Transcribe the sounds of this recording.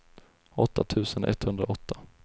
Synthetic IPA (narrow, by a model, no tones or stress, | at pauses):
ɔt̪ʰːat̪ʰʉ̟ːsənʔɛ̰t̪ːhɵnd̪ɾaɔt̪ʰːa